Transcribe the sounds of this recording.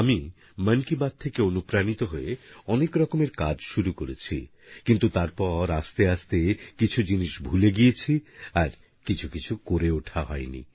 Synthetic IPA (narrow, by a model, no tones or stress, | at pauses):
ami | mənkibad̪̚t̪ʰekeonupɾanit̪oɦoeɔnekɾɔkomeɾkad͡ʑʃuɾukoɾet͡ɕʰi | kint̪ut̪aɾpɔɾast̪east̪ekit͡ɕʰud͡ʑiniʃbʱuleɡijet͡ɕʰiaɾ | kit͡ɕʰukit͡ɕʰukoɾeoʈʰaɦɔenḭ